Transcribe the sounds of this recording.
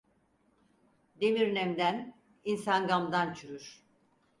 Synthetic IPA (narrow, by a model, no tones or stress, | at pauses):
d̪emiɾnɛmd̪æn | insanɡamd̪ant͡ʃʰyɾyɾ̥